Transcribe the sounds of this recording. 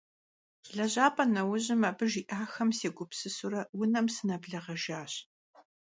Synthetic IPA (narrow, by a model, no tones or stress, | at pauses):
ɮɐʑaːpʰʼɐnɐwʊʑɪmɐbɨʒiːʔaːxɐmseːɡʷʊpsɨsuɾɐwʊnɐmsɨnɐbɮɐʁɐʒaːɕ